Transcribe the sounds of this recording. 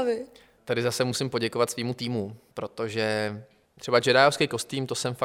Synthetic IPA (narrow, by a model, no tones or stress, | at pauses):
vɪ | t̪adɪzasɛmusɪmpo̞ɟɛkovat̪sviːmut̪iːmupɾo̞t̪o̞ʒɛ | t̪r̥ɛbat͡ʃɛɾaːjofskejko̞st̪iːmt̪o̞sɛmfa